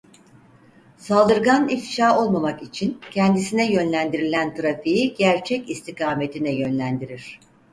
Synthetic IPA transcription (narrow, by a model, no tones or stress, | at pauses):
salˠd̪ɯɾɡanifʃaːo̞lˠmamakit͡ʃʰincʰɛnd̪isinɛjø̞nlʲænd̪iɾilʲænt̪ʰɾafijiɟæɾt͡ʃʰɛcist̪ʰikaːme̞t̪ʰinɛjø̞nlʲænd̪iɾiɾ̝̥